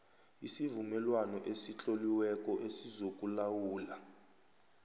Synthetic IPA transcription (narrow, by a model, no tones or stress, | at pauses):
isivumɛlwanɔʔesit͡ɬʼoliwɛkʼɔʔesizokʼulawuːla